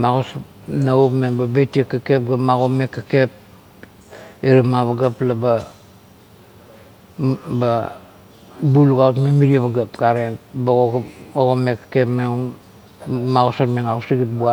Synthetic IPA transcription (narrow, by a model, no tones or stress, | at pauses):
maɣosa | naopmenbabetiekːakep̚ɡamaɣomekːakep̚ | eɾamaβaɡaplaba | ba | buluɡautmemiɾiaβaɡapɡaɾebaɡoaoɣomekːḁkepmeŋo | maɣosatmeŋausiɡit̚bua